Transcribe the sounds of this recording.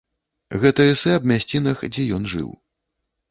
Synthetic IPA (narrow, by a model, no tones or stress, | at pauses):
ɣɛt̪ɐɛsɛɐbmʲasʲt͡sʲinɐxd͡zʲɛjɔnʐɨ̰w